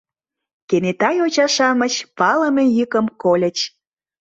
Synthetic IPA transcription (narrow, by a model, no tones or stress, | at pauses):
kenet̪ɑjot͡ɕɑʃɑmət͡ɕpɑləmejykəmkolʲə̆t͡ɕ